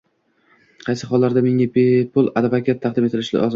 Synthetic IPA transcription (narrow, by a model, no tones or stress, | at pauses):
qʰɑjsɪχɒlˠːaɾd̪ameŋabepʰʊlˠad̪vakʲʰat̪ʰːɑqd̪ɪmet̪ɪlɪʃlɪ̰ʔɒz